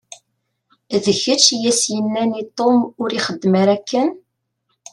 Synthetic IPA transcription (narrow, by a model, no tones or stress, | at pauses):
ðəçət͡ʃːjæsjənːænit̪ˤːomʊɾiχəd̪ːmaɾækːən